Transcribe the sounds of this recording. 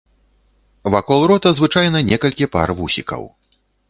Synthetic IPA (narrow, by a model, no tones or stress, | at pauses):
vakɔlˠɾɔt̪ɐzvɨt͡ʂajnɐnʲɛkɐlʲkʲipa̰rvusʲikɐ̰w